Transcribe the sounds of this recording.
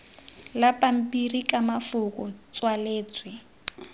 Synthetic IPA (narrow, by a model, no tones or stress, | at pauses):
lapam̩pirikamafukʊt͡swaleːt͡swɪ